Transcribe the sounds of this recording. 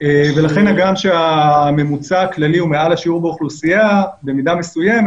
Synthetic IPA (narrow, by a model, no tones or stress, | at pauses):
ve̞laχe̞naɡamʃeame̞mut͡saːklaliumealaʃiuʁbeoχlusijabemidame̞sujem